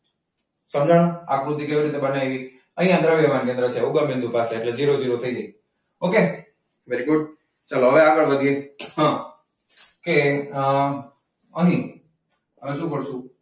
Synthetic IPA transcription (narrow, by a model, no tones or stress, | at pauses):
sə̃md͡ʒaɽ̃akɾut̪ːikeʋiɾit̪ebənajʋi | əɦĩãnd̪ɾaʋɛʋankẽnd̪ɾət͡ʃʰeuɡəmbɪ̃nd̪ʱupaseːʈled͡ʒiɾod͡ʒiɾot̪ʰəid͡ʒai | oke | ʋeɾiɡʊɖ̚ | t͡ʃəloɦəʋeaɡəɭʋəd̪ʱijeɦã | ke | əɦĩ | əʋeʃũpəɽʃũ